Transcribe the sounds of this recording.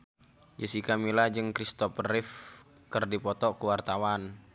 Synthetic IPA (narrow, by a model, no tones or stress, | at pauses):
d͡ʒəsikamilad͡ʒəŋkɾist̪ɔpərɪf | kərdipɔt̪ɔkəwart̪awan